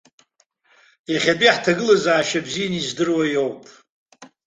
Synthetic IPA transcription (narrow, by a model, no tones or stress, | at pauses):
jaχʲatʼiħtʰaɡɨlazaːʃabzijanizdɨrwajo̞wpʼ